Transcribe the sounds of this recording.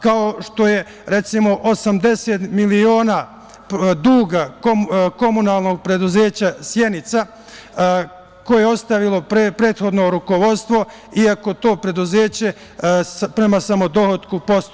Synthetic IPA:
kaoʃt̪o̞je̞ | ɾe̞t̪simo̞ʔosamd̪e̞set̪milio̞ːna | d̪uːɡakoko̞munaːlˠno̞ɡ̚pɾe̞d̪uze̞ːt͡ɕasje̞nit̪sa | ko̞jeeo̞st̪aʋilo̞ppɾe̞ːt̪xo̞d̪no̞ɾuko̞ʋo̞t̪st̪ʋo̞ | iako̞t̪o̞ːpɾe̞d̪uze̞ːt͡ɕe̞ | pɾe̞masamo̞d̪o̞hot̪kupo̞st̪

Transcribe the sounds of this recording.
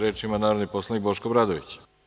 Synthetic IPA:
ɾeːt͡ʃimanaːɾod̪nipo̞slˠanikbo̞ʃkobɾad̪oʋḭt͡ɕ

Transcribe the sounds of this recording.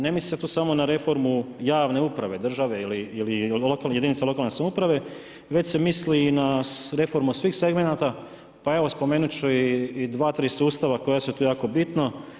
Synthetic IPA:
ne̞misliset̪uːsamo̞naɾe̞fo̞ɾmujaːʋne̞upɾaʋe̞d̪r̩ʒaʋe̞iliililokaljed̪init̪salo̞kalne̞samoupɾaʋe̞ | ʋet͡ɕsemislinaɾe̞fo̞ɾmusʋiːxse̞ɡme̞nat̪a | pae̞ʋo̞spo̞meːnut͡ɕuiːd̪ʋaːt̪ɾiːsuːst̪aʋakojasuet̪uːjaːko̞bit̪no

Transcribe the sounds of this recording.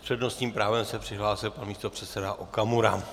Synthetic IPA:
pr̥ɛdnost̪ɲiːmpɾaːvɛmsɛpr̥ɪɦlaːsɪlpanmiːst̪o̞pr̝̥ɛt̪sɛdaʔokamuɾa̰

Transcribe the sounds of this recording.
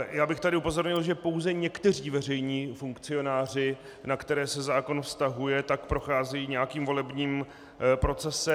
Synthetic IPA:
jaːbɪxt̪adɪʔupo̞zo̞ɾɲɪlʒɛpo̞wzɛɲɛkt̪ɛr̝iːvɛr̝ɛjɲiːfuŋkt͡sɪo̞naːr̝ɪ | nakt̪ɛɾɛːsɛzaːko̞nfst̪aɦujɛt̪akpɾo̞xaːzɛjiːɲɛjakiːmvo̞lɛbɲiːm | pɾo̞t͡sɛsɛ

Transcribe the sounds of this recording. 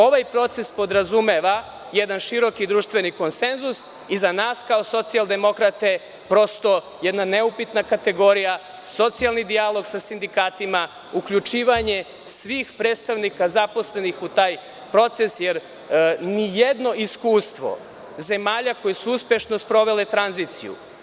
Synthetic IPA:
o̞ʋajpɾo̞t̪se̞spo̞d̪ɾazumeʋa | jed̪anʃiɾo̞kid̪ɾuːʃt̪ʋe̞niko̞nse̞nzus | izanaːskaoso̞t̪sialˠd̪e̞mo̞kɾat̪e̞ | pɾo̞st̪o̞ | jɛd̪naneupit̪nakat̪e̞ɡo̞ɾija | so̞t̪sijalˠnid̪ialˠo̞ɡsasind̪ikaːt̪ima | ukʎut͡ʃiːʋaɲe | sʋiːxpɾeːd̪st̪aʋnikazapo̞sle̞nixut̪aːj | pɾo̞t̪se̞sjeɾ | nijed̪no̞ʔiskuːst̪ʋo̞̰ | ze̞maːʎako̞jesuuspje̞ʃnospɾo̞ʋe̞le̞t̪ɾanzit̪sḭjṵ

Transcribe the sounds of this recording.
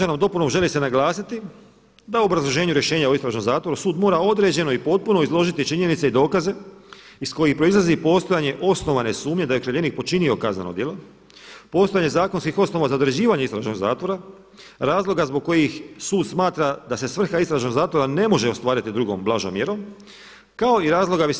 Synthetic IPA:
anamd̪o̞punomʒe̞lise̞naɡlˠaːsit̪i | d̪auobɾazlˠo̞ʒe̞ːɲuɾje̞ʃe̞ːɲaoist̪ɾaʒnomzaːt̪ʋo̞ɾusuːd̪mo̞ːɾao̞d̪ɾe̞d͡ʑe̞no̞ipo̞t̪̚puno̞izlˠo̞ʒit̪it͡ʃiɲe̞nit̪seid̪o̞ːkaze̞isko̞jixpɾo̞izlˠazipo̞ːst̪ojaɲe̞ʔo̞sno̞ʋane̞suːmɲe̞d̪ajkɾaʎeniːk̚po̞t͡ʃinio̞kazna̰nod̪jelo̞ | po̞ːst̪ojaɲezaːkonskixo̞sno̞ʋazaod̪oɾed͡ʑiːʋaɲeist̪ɾaʒno̞ɡza̰ːt̪ʋo̞ɾa | ɾaːzlˠo̞ɡazboɡ̚kːo̞jixsuːd̪smaːt̪ɾad̪ase̞sʋr̩xaizst̪ɾaʒno̞ɡzaːt̪ʋo̞ɾane̞mo̞ʒe̞ost̪ʋaːɾit̪id̪ɾuɡo̞̰mblˠaʒomjeɾo̞m | kao̞iɾaːzlˠo̞ɡabi

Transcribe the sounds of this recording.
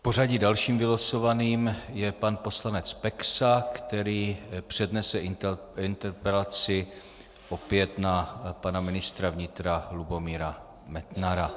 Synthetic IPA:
po̞r̝aɟidalʃiːmvɪlaso̞vaniːmjɛpanpo̞slanɛt͡spɛksakt̪ɛɾiːpr̝̥ɛdnɛsɛɪ | ɪnt̪ɛɾpɛlat͡sɪ | ʔo̞pjɛt̪napanamɪnɪst̪ɾavɲɪt̪ɾalubo̞miːɾa | mɛt̪naɾa

